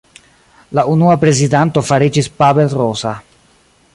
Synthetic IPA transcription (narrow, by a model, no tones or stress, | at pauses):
launuapɾe̞zidanto̞faɾid͡ʒispabelrosa